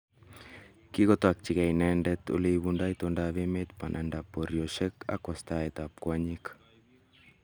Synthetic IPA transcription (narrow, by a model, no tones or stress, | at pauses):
kiɣot̪oak̚t͡ʃiɡajnendet̪ṵlejβundajt̪ondaβemet̪panʔandapoɾioʃeka̰kast̪aet̪ap̚kuaɲik